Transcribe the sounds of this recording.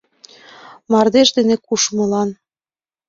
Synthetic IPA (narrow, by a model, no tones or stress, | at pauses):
mɑrd̪eʃd̪enĕkuʃmɤ̆lɑn